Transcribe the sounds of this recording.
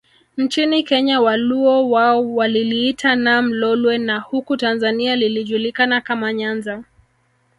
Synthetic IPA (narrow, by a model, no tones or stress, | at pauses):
n̩t͡ʃinikɛɲawaluɔwaɔwaliliːtʰanam̩lɔlwɛnahukutanzanialiliʄulikanakamaɲanza